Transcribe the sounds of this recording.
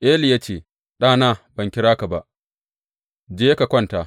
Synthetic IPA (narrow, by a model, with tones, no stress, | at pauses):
ʔeː˦li˨jaː˦t͡ʃeː˨ | ɗaː˦˨naː˦˨bɐ˨ŋkʲɪ˦ɾaː˦ka˨ba˦ʔ | d͡ʒeː˦ka˨kʷɐ˦nta˨